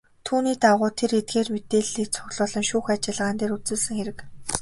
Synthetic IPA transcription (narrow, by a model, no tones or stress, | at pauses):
t̪ʰuːniːt̪aʁʊːt̪ʰeret̪̚ɡeːrmet̪eːɮiːkt͡sʰʊɣɮʊːɮɞ̆ŋʃuːxat͡ɕɪ̆ɮʁaːnt̪eːɾut͡sɘ̆sɘ̆ŋxeɾɘ̆k